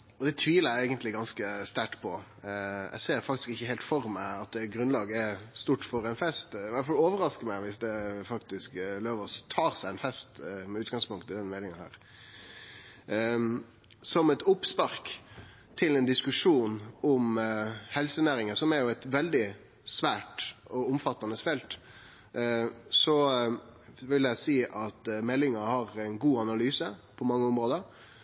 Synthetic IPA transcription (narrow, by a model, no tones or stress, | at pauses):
ɔd̪ɛt̪ʰʋiːləɾæɪɡənt̪lɪɡɑnskəst̪æʈpʰɔ | æ̰ɪseːfɑk̚t̪ɪ̥skɪçːəheːlt̪fɔɾmæɪɑt̪̚ɛɡɾʉnlɑːɡəɛɾst̪uːʈfɔɾæɪnfɛst̪ʋæfɑloːʋəɾɑskəmæɪʋɪsd̪ɛfɑkt̪ɪskløːʋəst̪ʰɑːʁsæɪɛnfɛst̪mɛʉːt̪ɡɑŋspʊŋt̪ɪd̪ɛnmɛɪnɪŋɑnhæ̰ːɾ | sɔmɛt̪ʊpspɑɾk | t̪ʰɪlɛnd̪ɪskʉʂuːnɔmhɛlsənæːɾɪŋəsɔmɛɾjʊɛt̪ʋɛld̪ɪ | sʋæːʈɔʊmfɑt̪ːɑnəsfɛlt̪ | sɔ | ʋɪljæɪsiːʔɑt̪mɛlːɪŋɑhɑɾæɪnɡuːɑnɑlyːsəpʰɔmɑŋːəʊmɾoːd̪əɾ